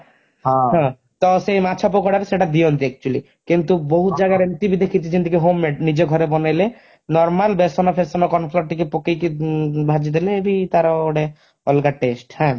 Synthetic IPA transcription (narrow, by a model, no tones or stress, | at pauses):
ɦãɦã | t̪ɔsemat͡ʃʰɔp̬okɔɽaɾeseʈad̪iɔnd̪iɛk̚t͡ʃuali | kint̪uboɦut̪d͡ʒaɡaɾenit̪ibid̪ʱekːit̪id͡ʒint̪ikeɦomːeʈnid͡ʒeɡʱɔɾebɔnajle | nɔɾmalbesɔnapʰesɔnɔkɔnpʰlɔɾ̚ʈikepokejkibʱad͡ʒid̪eleːbʱit̪aɾɔoɽe | ɔlɡaʈesʈhɛ̃